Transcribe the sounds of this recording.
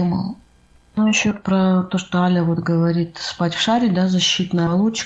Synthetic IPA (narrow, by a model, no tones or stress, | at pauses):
mə̰lˠ | nuɪɕːopɾɐt̪o̞ʂt̪oalʲəvot̪ɡəvɐɾʲit̪spatʲfʂaɾʲɪd̪azɐɕːit̪nəɐlˠut͡ɕːɪ̥